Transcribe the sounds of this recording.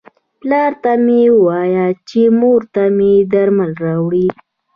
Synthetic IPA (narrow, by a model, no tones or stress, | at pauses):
plɑɾt̪amewɑjat͡ʃemoɾt̪amed̪aɾmalɾɑwɽi